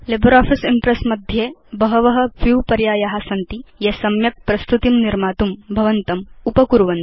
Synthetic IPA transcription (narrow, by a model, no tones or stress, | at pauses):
libɐɾaːpʰisimpɾesmɐd̪ʱjeːbɐɦɐʋɐɦɐʋjuːpɐɾjaːjaɦɐsɐnt̪ijɐsɐmjɐk̚pɾɐst̪ut̪imniɾmaːt̪umbʱɐʋɐnt̪ɐmupɐkuɾʋɐn